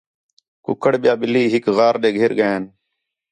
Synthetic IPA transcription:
kʊ̰kəɽɓɪjaːɓɪliːɦɪkɣaːɾɗ̪eːɡʱeːɾɠəaːn

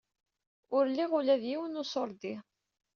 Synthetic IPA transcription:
ʊɾlːiʁʊlæðjiwənʊsoɾˤd̪i

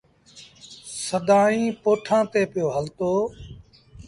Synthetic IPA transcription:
səd̪aːĩːpoːʈʰãːt̪eːpɪjoːɦəlt̪oː

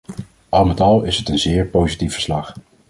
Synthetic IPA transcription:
ʔɑlˠmɛtɑlˠɪsɦətənzɪːɹpowzitifə̥ɹslɑχ

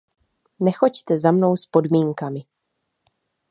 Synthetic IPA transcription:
nɛxo̞ct̪ɛzamno̞wspo̞dmiːŋkamɪ

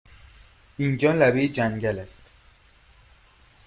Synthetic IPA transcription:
ind͡ʒɒːlæbeːd͡ʒæŋɟælæst̪

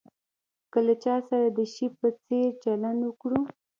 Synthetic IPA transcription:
kəlat͡ʃɑsaɾad̪əʃipət͡seɾt͡ʃaland̪wəkɽu

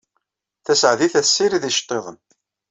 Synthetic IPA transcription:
θæsʕðiθæsːiɾiðiʃt̪ˤːeðˤən

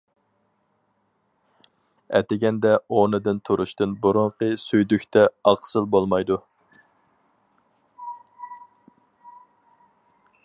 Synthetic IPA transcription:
ɛ̰t̪ɪɡʲɛnd̪ɛonɨd̪ɨnt̪ʰuɾʔuʃt̪ɨnbuɾʊɴqəsyjd̪ykʲt̪ʰɛɑqsɨlˠbolˠmɑjd̪u

